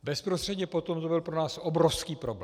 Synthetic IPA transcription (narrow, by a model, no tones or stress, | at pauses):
bɛspɾost̪r̥ɛd̪ɲɛpot̪omt̪obɪlpɾonaːsʔobɾofskiːpɾobl